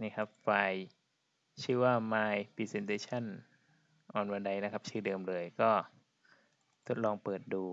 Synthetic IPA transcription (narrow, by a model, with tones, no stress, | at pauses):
niː˥˩kʰa˦˥p̚fa˧j | t͡ɕʰɯː˥˩waː˥˩maː˧jpʰi˧˩se˧nt̪e˧˥t͡ɕʰa˥˩n | ʔɔː˨˩nwa˧nda˧jna˦˥kʰa˦˥p̚t͡ɕʰɯː˥˩dɤː˧mlɤː˧əjkɔː˥˩ | t̪ʰo˦˥t̪̚lɔː˧ŋpɤː˨˩t̪̚duː˧